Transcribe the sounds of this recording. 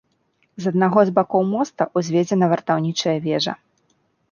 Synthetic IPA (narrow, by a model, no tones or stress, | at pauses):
zɐd̪̚naɣɔzbakɔwmɔst̪ɐʔuzʲvʲɛd͡zʲɛnɐvɐrt̪awnʲit͡ʂɐjɐvʲɛʐɐ̰